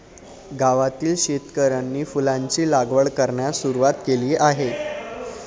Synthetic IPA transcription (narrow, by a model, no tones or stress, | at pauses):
ɡaʋat̪iːlɕet̪kəɾanːiːfulaɲt͡ɕiːlaɡʋəɭkəɾɳjasuɾuʋat̪keliːʔaɦe